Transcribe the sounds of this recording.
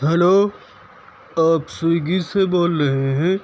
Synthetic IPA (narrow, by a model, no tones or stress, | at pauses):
ɦɐloː | aːpsʊɡiseboːlɾɐɦeɦɛ̃